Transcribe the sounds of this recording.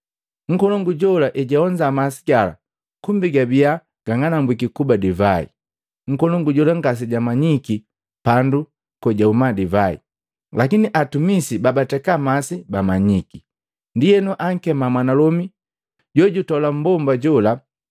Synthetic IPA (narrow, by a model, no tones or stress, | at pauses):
ŋ̩kɔlɔŋɡuɟɔlaʔɛɟaɔɲd͡ʒamasi̥ɡala̰ | kumbiɡabia | ɡ̥aŋanambwikikubadivaḭ | ŋ̩kɔlɔŋɡuɟɔlaŋɡas̬iɟamaɲiki | pandu | kɔɟaumadivaḭ | lakiniʔatumisibabatɛkamasibamaɲiki | ndijɛnɔʔaŋ̩kɛmamwanalɔmi | ɟɔɟutɔlam̩bɔmbaɟɔla